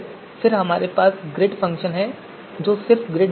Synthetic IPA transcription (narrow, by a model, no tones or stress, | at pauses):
fɪɾɦɐmaːɾepaːsɡɾeːʈfɐ̃ŋkʃənɦɛ | d͡ʒoːsɪɾfɡɾeː